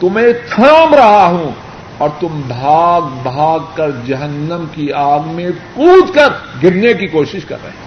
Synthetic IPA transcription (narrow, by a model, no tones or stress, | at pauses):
t̪ʊmẽt̪ʰəmɾɐɦaɦũ | ɔːɾt̪ʊmbʱaːɡbʱaːɡkɐɾd͡ʒɐɦənːəmkiaːɡmẽkuːd̪kɐɾɡɪɽnekikoːʃɪʃkɐ̰ɾːɐ̰ɦe